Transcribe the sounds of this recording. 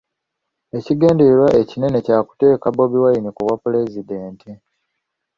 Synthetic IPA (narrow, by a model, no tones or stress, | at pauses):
e̞ciɡe̞ːndeɾwaʔe̞cine̞ne̞caːku̥te̞ːkabo̞βiwajinikuβwapule̞zideːntʰi